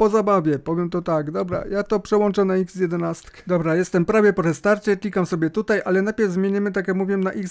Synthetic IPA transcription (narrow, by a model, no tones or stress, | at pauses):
pɔzabavʲjɛpɔvʲjɛmt̪ɔt̪aɡd̪ɔbɾa̰jat̪ɔpʂɛwɔnt͡ʂɛnaiɡzjɛd̪ɛnast̪kd̪ɔbɾajɛst̪ɛmpɾavʲjɛpɔʐɛst̪aɾt͡ɕɛklʲikamsɔbʲjɛt̪ut̪ajʔalɛnajpʲjɛvzmjeɲɛmɘt̪akjakmuvʲjɛmnaʔiɡ